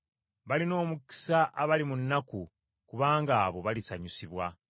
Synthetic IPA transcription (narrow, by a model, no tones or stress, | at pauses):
βalino̞ːmuki̥saʔaβalimunːaku | kuβaːŋɡaːβo̞βalisaɲusiβwa